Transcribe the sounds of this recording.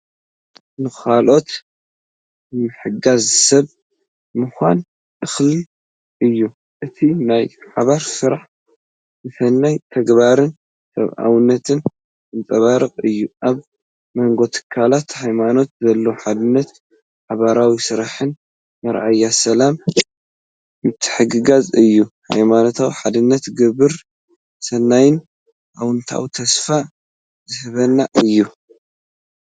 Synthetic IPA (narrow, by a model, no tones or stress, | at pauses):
nɨkʰalʔo̞t̪ | ɨmɨħɨɡazsɐβ | mɨxʷan | ʔɨxli | ʔɨjːu | ʔɨt̪ʰinajħaβaɾsɨɾaħ | zɨfɐnːajt̪ʰɐɡbaɾɨn | sɐ̰βʔa̰wɨnːɐt̪ʰɨn | ɨnt͡s̪ʼɐβaɾɨkʼɨjːuʔaβ | mɐŋɡo̞t̪ʰɨ̥kʰːalat̪hajmano̞t̪zɐlːoħad̪ɨnːɐt̪ | ħaβaɾawisɨɾaħɨn | mɐɾʔajːasɐlam | ɨt̪ʰːɨ̥ħɨɡɨɡazɨjːuha̰jmano̞t̪ʰawħad̪ɨnːɐt̪ɡɨβɨɾ | sɐnːajɪn | ʔawɨnt̪ʰa̰wt̪ʰɐsfa | zɨhɨβɐnːaʔɨjːu